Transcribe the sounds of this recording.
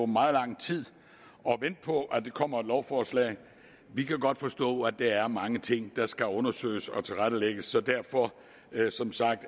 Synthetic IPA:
mɑ̈ːð̩ˠlɑ̈ŋ̰t͡sʰið̰ˠ | ɒ̽ʋen̰d̥̚pʰɒ̽ʔæd̥e̝kʰɒ̽m̰ɐlɒʊfɒːslɛ̰ːɪ | ʋikʰæɡ̥ɒ̽d̥fɒ̽sd̥ɔ̰ːæd̥ɑ̈æɐmɑ̈ŋət͡sʰe̝ŋ̰d̥ɑ̈sɡ̥æɔ̽nɐsø̰ːɪsɒ̽t͡sʰe̝lʁaɾ̥əleɡ̥əsːɒ̽d̥æɐfɒ̽ | sɒ̽msɑ̈ɡ̥̚d̥

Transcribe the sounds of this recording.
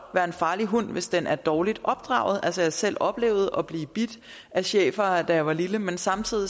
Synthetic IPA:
ʋæɐe̝nfɑ̈ːliɦun̰ʋe̝sd̥enʔæɐd̥ɒːlid̥ʔɒ̽b̥̚d̥ʁɑ̰̈ʊð̞̩ˠʔælsəjɑɐsel̰ɒ̽b̥le̝̰ːʊð̞̩ˠʔɒ̽b̥liːb̥id̥ | ʔæɕḛːfɐd̥æjʋɑ̈liləmensɑ̈mt͡sʰið̰ˠi

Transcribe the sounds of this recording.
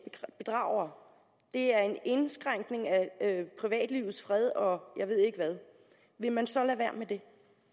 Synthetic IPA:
b̥e̝d̥ʁɑ̈ʊ̰ɐ | d̥e̝æɐe̝ne̝nsɡ̥ʁaŋ̰ɡ̥ne̝ŋæøpʰʁiʋɛ̰ːd̥lḭːʊð̩ˠsfʁɛð̞ˠɒ̽jɑ̈ɪʋe̝ð̞̰ˠe̝ɡ̥əʋæð̞ˠ | ʋe̝mænsɒ̽læʋæɐ̰med̥e̝

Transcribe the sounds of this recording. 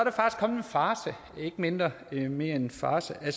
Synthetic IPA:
ɐd̥ɾɑfɑ̈ɡ̥isɡ̥kʰɒ̽ml̩enfɑ̈ːsə | e̝ɡ̥əme̝nd̥ʁɐ | me̝ɐe̝nfɑ̈ːsəʔæls

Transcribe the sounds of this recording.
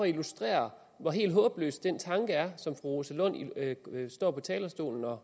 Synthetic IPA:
ɒilusd̥ʁɛ̰ːɐ | ʋɒ̈ɦe̝̰ːldɦɔ̽ːb̥lø̰ːsd̥ent͡sʰɑ̈ŋɡ̥əæɐsɒ̽mfʁuʁosəlɔ̽n̰isd̥ɒ̰ːpʰɒ̽t͡sʰɛːlɐsd̥o̝̰ːln̩ɒ̽

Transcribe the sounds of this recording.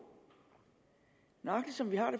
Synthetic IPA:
nɑ̈ɡ̥ləsɒ̽mʋiɦɑ̈ɾ̥e

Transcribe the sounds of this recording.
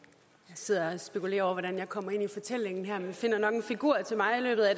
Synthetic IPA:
jɑ̈ɪse̝ð̞̰ˠɐɒsb̥e̝kʰule̝̰ːɐɒʊ̰ɐʋɒɾ̥ænjɑ̈ɪkʰɒ̽m̰ɐe̝nifɒ̽t͡sʰel̰eŋn̩ɦæɐ̰menfe̝n̰ɐnɒ̽ɡ̥enfiɡ̥uɐ̰t͡sʰe̝lmɑ̈ɪilø̰ːb̥ð̩ˠæ

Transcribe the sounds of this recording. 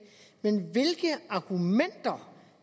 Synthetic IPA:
menʋe̝lɡ̥əɑ̈ɡ̥umen̰d̥ɐ

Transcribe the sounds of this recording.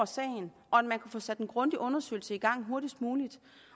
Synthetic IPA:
ɐsɛ̰ːɪn̩ | ɒ̽ædmænkʰufɔ̽ːsæd̥en̩ɡ̥ʁɔ̽nd̥iʔɔ̽nɐsø̰ɪl̩səiɡ̥ɑ̈ŋ̰ɦo̝ɐɾ̥isd̥muːlid̥

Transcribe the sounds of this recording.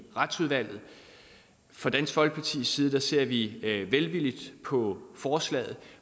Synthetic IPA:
ʁɑd̥suðˠʋæl̰ð̩ˠ | fʁɒ̈d̥æn̰sɡ̥fɒ̽lɡ̥̚pʰɑ̈t͡sʰḭːsiːð̞ˠd̥ɑase̝ɐ̰ʋiʋelʋilid̥pʰɒ̽fɒːslɛ̰ːð̩ˠ

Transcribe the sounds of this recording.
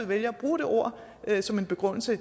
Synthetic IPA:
ð̩ˠʋeljɐɒb̥ʁuːd̥ɾ̥e̝ʔo̝ɐ̰ | ʔsɒ̽me̝nb̥e̝ɡ̥ʁɔn̰l̩sə

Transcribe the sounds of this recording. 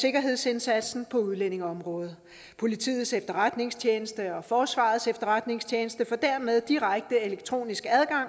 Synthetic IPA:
se̝ɡ̥ɐɦe̝ð̞̰ˠse̝nsæd̥sn̩pʰɒ̽uð̞ˠlene̝ŋɒ̽mʁɔ̽ːð̞̩ˠ | pʰo̝lit͡sʰḭːð̩ˠsefd̥ɐʁad̥ne̝ŋst͡ɕʰeːnəsd̥əɒ̽fɒːsʋɑ̰̈ːð̞ˠsefd̥ɐʁad̥ne̝ŋst͡ɕʰeːnəsd̥əfɒ̽d̥æɐ̰með̞ˠd̥iʁaɡ̥̚d̥əe̝leɡ̥̚t͡sʰʁo̝̰ːnisɡ̥æð̞ˠɡ̥ɑ̈ŋ̰

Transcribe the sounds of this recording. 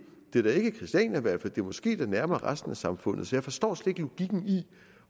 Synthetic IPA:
d̥e̝ɐɾ̥ɑe̝ɡ̥əkʰʁisd̥jɛ̰næʋæɐ̰fæd̥e̝ɐmɒ̽sɡ̥e̝̰ːd̥ɑnæɐmɐɐʁasd̥n̩æsɑ̈mfɔ̽n̰ð̩ˠsɒ̽jɑ̈ɪfɒ̽sd̥ɒ̰ːsled̥lo̝ɡ̥iɡ̥n̩i

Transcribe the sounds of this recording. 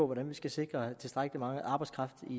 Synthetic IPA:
ɔ̽ʋɒɾænʋisɡ̥æse̝ɡ̥ʁɐt͡sʰe̝sd̥ʁɑɡ̥əlimɑ̈ŋəʔɑ̈ːbɑ̈ɪskʰʁɑ̈fd̥i

